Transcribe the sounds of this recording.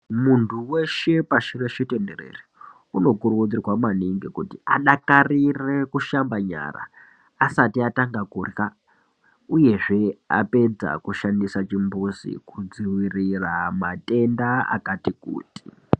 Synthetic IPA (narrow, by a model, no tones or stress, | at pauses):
muntʰuwe̞ʃe̞paʃireʃitenderḛri | uno̞kurkud͡zirwamaniŋɡikutiaɗakarirekuʃambaɲa̰ːra̰ː | satiataŋɡakurka | uje̞ʐe̞a̰pe̞d͡za̰kuʃandisat͡ʃimbusḭkud͡ziwiriramate̞ndaa̰katikṵːti̥